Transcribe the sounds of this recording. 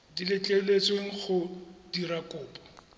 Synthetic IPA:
dilɪt͡ɬʼeʊlet͡sweŋ̩χʊdiɾakʼʊːpʼɔ̥

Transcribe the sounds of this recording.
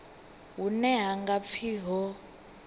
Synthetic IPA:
ɦunɛɦaŋɡap̪fʰiɦɔ

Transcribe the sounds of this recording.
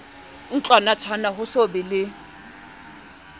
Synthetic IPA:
n̩t͡ɬanat͡sʰanaɦʊsobɪlɪ

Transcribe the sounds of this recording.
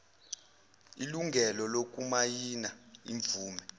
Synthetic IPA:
iluŋɡʱɛlɔlok̬ʼumajinaḭɱvuːmɛ

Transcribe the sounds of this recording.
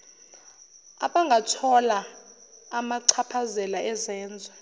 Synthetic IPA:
aɓaŋɡʱatʰɔlaː | maǀʰapʰazɛlaɛzɛːnd͡zʱwa

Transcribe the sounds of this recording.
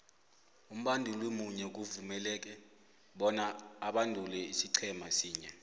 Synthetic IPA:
um̩ɓandʱulwemuɲɛk̬uvumɛlɛːk̬ɛ | ɓɔnaːɓandʱulɛisiǀʰɛmasiːɲɛ

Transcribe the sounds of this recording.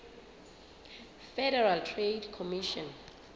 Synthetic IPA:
fɛdɛɹaltʰredkʰɔmiʃɔ̃n

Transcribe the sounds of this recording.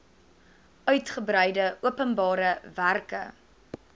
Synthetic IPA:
œɥtχəbrɛjdəuəpənbɑːɾəværkə̰

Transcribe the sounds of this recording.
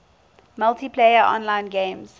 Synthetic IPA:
malˠtipʰleɪəʔɔ̰̃nlãɪ̃nɡẽːmz̥

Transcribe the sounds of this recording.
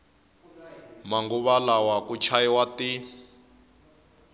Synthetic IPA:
maŋɡuβalawakut͡ʃʰaiwati

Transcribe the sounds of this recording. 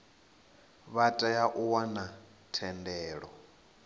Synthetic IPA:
βatʼajaʔuwana | tʰɛndɛːɺɔ

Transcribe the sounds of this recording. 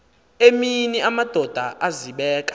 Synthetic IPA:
eminiʔamad̥ʱɔd̥ʱaʔaziɓɛːkʼḁ

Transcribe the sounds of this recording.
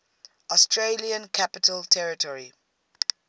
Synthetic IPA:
ɔstʰɹeliə̃nkʰapɪtʰəltʰɛɹɪtʰɔɹi

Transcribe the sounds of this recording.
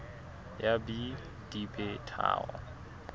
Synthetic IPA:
jabi | d̥ibɛtʰa̰ːɣɔ̰

